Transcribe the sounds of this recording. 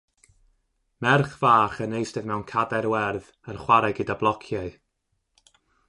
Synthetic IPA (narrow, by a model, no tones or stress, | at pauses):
mɛrχv̥aːχənejsdɛvmɛwnkʰadɛɾwɛrð | ənχwaɾɛɡədablˠɔkʰjaɨ